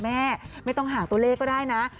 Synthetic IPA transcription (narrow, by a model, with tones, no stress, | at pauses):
mɛː˥˩ma˥˩jt̪ɔ˥˩ŋɦaː˩˦t̪u˧ɐ˧leː˥˩kːɔː˥˩daː˥˩jna˦˥